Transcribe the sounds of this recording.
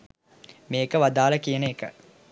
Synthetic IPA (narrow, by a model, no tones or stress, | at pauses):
meːkəʋad̪aːlɐkijəneːkə